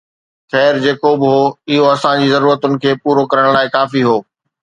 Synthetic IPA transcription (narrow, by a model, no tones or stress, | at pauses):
xɛːɾd͡ʑeːkobɪɦoːɪɦoɐsãd͡ʑiːzɐɾuːɾət̪ʊnɪ̆kʰeːpuːɾokɐɾəɽ̃laːɪkaːfiɦoː